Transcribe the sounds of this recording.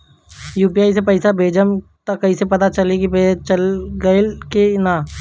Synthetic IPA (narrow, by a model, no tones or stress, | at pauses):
juːpiaːisepɐɪsabʱeːd͡ʒəmt̪akɐisepɐt̪at͡ʃɐlekipet͡ʃɐlɡɐekena